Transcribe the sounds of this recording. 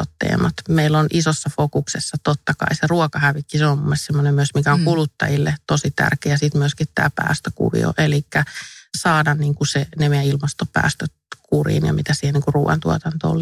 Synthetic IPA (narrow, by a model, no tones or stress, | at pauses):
o̰t̪ːḛːmɑt̪meilːonʔisosːɑfokuksesːɑt̪ot̪ːɑkɑ̰iseruɔkɑhæʋikːiseommumːest̪semːonemmyøsmikæoŋkulut̪ːɑ̰jilːet̪osit̪æ̰rkeːjɑsiˑt̪myøskit̪t̪æ̰ːpæ̰ːst̪økṵʋḭo̰ʔelikːæsɑːdɑnniːŋkusenemejæilmɑst̪opæ̰ːst̪øt̪kurḭːnjɑ̰mit̪æsiːheniŋkurruːʋɑ̰nt̪uɔt̪ɑnt̪o̰l